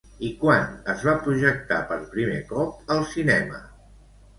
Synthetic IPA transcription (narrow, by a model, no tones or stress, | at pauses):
ikwanəzβapɾuʒək̚t̪a̰pəɾpɾimekɔp̚əlˠsinɛmə̰